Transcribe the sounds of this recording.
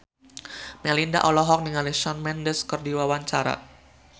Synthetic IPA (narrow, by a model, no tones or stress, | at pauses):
mɛlinda̰ʔɔlɔɦɔk̚niŋaliʃɔnmɛndəskərdiwawaɲt͡ʃaɾa̰